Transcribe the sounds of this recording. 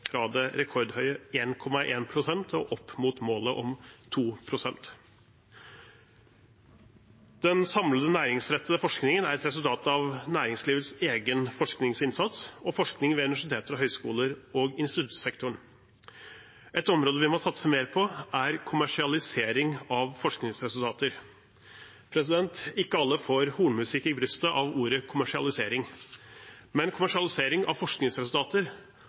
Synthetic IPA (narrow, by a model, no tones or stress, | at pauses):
fɾɑd̪ɛɾɛkʰɔɾɖ̪hœʏəeːnkʰɔmɑʔeːnpʰɾʊsɛnt̪ʰɔʔɔpːmuːt̪moːləʔɔmt̪ʰuːpʰɾʊsɛnt̪ | d̪̥ɛnsɑmləd̪ənæːɾɪŋsɾɛt̪ʰːəəfɔʂknɪŋənæɾɛt̪ɾɛsʉlt̪ʰɑːt̪ɑʋnæːɾɪŋsliːʋət̪seːɡənfɔʂknɪŋsɪnsɑt̪sɔfɔʂknɪŋʋɛʉnɪʋæʂɪt̪ʰeːt̪əɾɦœʏskṵːləɾɔːɡɪnst̪ɪt̪ʉt̪sɛkt̪ʊɳ | ʔɛt̪ɔmɾoːd̪əʋɪmɔsɑt̪ːəsəmeːɾpʰɔæɾkʰʊmæʂɪɑlɪseːɾɪŋɑʋfɔʂknɪŋsɾɛsʉlt̪ʰɑːt̪əɾ | pʰɾɛsɪd̪ɛnt̪ɪkːəɑlːəfoːɾhuːɳmʉsɪkːɪbɾʏst̪əʔɑʋuːɾəkʰʊmæʂɪɑ̰lɪseːɾɪŋ | mɛnkʰʊmæʂɪɑlɪseːɾɪŋɑ̰ʋfɔʂknɪŋsɾɛsʉl̩t̪ʰɑːt̪əɾ